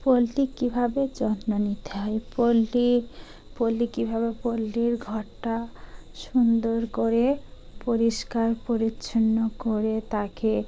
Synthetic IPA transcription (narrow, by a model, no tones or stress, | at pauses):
polːikibʱabed͡ʒɔnnɔnit̪ʰeɦɔjpolːi | polːikibʱaβepolːiɾɡʱɔʈːaʃund̪oɾkoɾe | poɾiʃkaɾpoɾitːʃʰɔnːɔkoɾet̪ake